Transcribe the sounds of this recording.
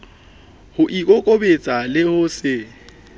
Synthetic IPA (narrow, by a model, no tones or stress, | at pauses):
hʊʔikʼokʼobet͡sʼalɪhʊsɪ